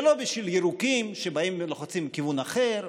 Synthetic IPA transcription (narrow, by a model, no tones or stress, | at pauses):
lo̞biʃviljeɾukimʃebaimleχot͡simkivunaχeɾ